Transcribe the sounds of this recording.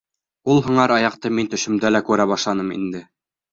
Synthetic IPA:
ulˠɦŭɴɑɾɑjɑqt̪ɤmint̪ɵ̆ʃɵ̆md̪ælækʉɾæβɑʃlˠɑnɤmḭnd̪ɘ

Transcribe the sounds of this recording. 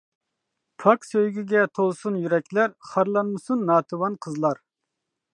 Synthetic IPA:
pʰɑksøjɡʲiɡʲɛt̪ʰolˠsunjyɾɛkʲlæɾχɑɾlˠɑnmɨsunːɑːt̪ʰɨwɑnqʰəzlˠɑɾ

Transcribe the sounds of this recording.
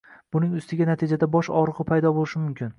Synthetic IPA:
b̥ʊnɪŋʊst̪ɪɡʲanat̪ʰid͡ʒad̪abɒʃɒɾɨʁɨpʰajd̪ɒbolɪʃɪmʊmkʲʰɪn

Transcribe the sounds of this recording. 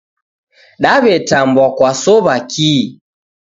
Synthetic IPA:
ɗaβɛtambwakwasɔβaki

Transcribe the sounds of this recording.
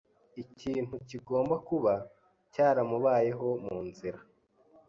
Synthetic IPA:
iciːn̥huciɡo̞ːmbakuβa | caːɾamuβaːje̞ɦo̞muːnziɾa

